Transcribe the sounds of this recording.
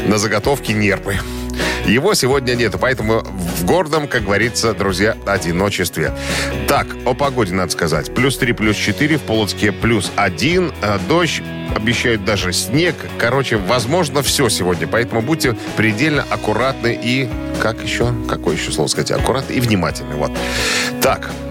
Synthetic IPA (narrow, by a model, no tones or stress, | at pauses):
nəzəɡɐt̪o̞fkʲɪnʲe̞rpɨ | jɪvo̞sʲɪvo̞dʲnʲənʲe̞t̪ʊpɐɛt̪əmʊvɡo̞rd̪əmkaɡ̚ɡəvɐɾʲit̪səd̪ɾʊzʲjaɐdʲɪno̞t͡ɕɪst̪vʲɪt̪akəpɐɡo̞dʲɪnad̪ə̥skɐza̰tʲplʲust̪ɾʲiplʲust͡ɕɪt̪ɨɾʲɪfpolˠət̪skʲəplʲusɐdʲind̪o̞ɕ | ɐbʲjɪɕːæjʊt̪̚d̪aʐɨsʲnʲe̞k | kɐɾo̞t͡ɕɪvɐzmo̞ʐnəfsʲɵsʲɪvo̞dʲnʲəpɐɛt̪əmʊbud̚ʲtʲːɪ | pɾʲɪdʲelʲnəʔɐkʊɾat̪nɨʔikakjɪɕːokɐkojɪɕːoslˠovəskɐzatʲɐ̰kʊɾat̪nəivnʲɪmatʲɪlʲnə̰vo̞̰t̪ː | a̰k